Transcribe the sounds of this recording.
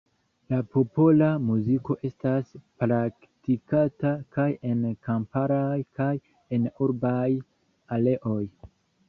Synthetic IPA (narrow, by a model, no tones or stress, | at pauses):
lapo̞po̞lamuziko̞ʔe̞staspɾak | tikatakaje̞nkampaɾajkaj | e̞nuɾbaj | ale̞ʔo̞j